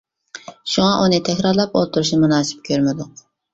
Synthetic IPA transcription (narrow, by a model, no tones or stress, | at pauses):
ʃuŋɑʔunɨt̪ʰɛkʲɾɑɾlˠɑpo̰lˠt̪ʰuɾuʃnmunɑːsɪ̥p̚kʲʰøɾmɪd̪ʊq